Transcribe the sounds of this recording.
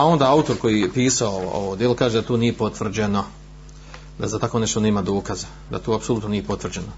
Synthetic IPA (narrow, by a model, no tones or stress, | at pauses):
ao̞nd̪aːaut̪o̞ɾko̞jipiːsaoo̰od̪jelokaːʒed̪at̪oːnije̞po̞t̪ʋr̩d͡ʑe̞no̞ | d̪azat̪ako̞ːne̞ʃt̪one̞ːmad̪o̞ːkaza | d̪a̰t̪oːapsolut̪no̞nijepo̞t̪ʋr̩d͡ʑe̞no